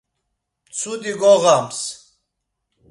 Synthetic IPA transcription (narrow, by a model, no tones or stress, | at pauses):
t͡sʰud̪iɡoʁams